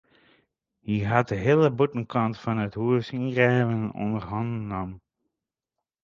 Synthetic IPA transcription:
hiɦat̚dəɦɪːləbutən̩kʰɑntfɑnəthuəsinɡrɛːvənɔ̰ndərɦɑndnːɔm

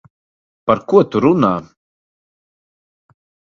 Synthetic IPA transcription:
paɾkuɔt̪uɾunaː

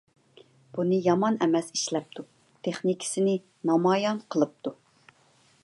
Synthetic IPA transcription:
b̥unɨjɑmɑnɛmɛsi̥ʃlɛp̚t̪ʰu | t̪ʰeχnikʲʰɪ̥sɪnɪ | nɑmɑjɑnqʰəlˠɨp̚t̪ʰu

